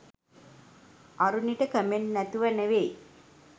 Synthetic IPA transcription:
aɾuniʈəkəmenːæt̪uʋænəʋej

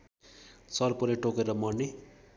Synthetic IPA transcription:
sʌrpuɾeʈokeɾʌmʌɽni

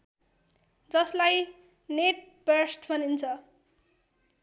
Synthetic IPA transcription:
d͡zʌslaj | neʈ̚bʌsʈbʱʌnint͡sʰʌ

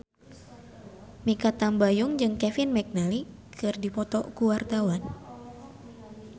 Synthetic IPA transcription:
mikat̪ambajuŋd͡ʒɨŋkɛfinmɛk̚nali | kʰɨrdipɔt̪ɔkuwart̪awan

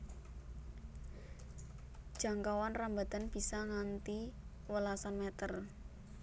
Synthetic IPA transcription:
d̥ʒ̥a̤ŋkawanramba̤t̪a̤nb̥i̤saŋant̪i | wəlasanmɛt̪ər

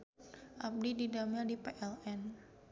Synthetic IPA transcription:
ʔap̚dididamɛldipeʔɛlɛn

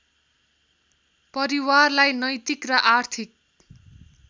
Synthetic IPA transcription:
pʌɾiwarlajnʌjt̪ikrʌʔart̪ʰik̚

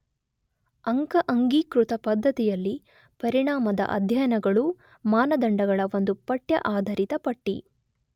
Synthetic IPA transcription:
ɐŋkɐʔɐŋɡiːkɾut̪ɐpɐd̪ʱːɐt̪ijɐlːi | pɐɾiɽaːmɐd̪ɐ̰ʔɐ̰d̪ʱjɐnɐɡɐɭu | maːnɐd̪ɐɳɖɐɡɐɭɐʋo̞nd̪upɐʈjɐ̰ʔaːd̪ʱɐɾit̪ɐpɐʈːḭ

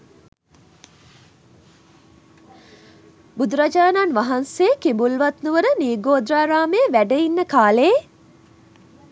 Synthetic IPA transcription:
bud̪uɾad͡ʒaːnanʋaɦansejːkimbulʋat̪nuʋəɾəniːɡoːd̪raːɾaːmeːʋæɖəinːəkaːle

